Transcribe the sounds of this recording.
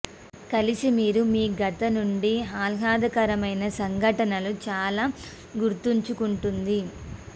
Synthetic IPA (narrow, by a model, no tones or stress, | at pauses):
kɐlisimiːɾumiːɡɐt̪ɐnuɳɖiɦaːlɦaːd̪ɐkɐɾɐmɐjnɐsɐŋɡʱɐʈɐnɐlut͡ʃaːlaː | ɡuɾt̪uɲt͡ʃukuɳʈund̪i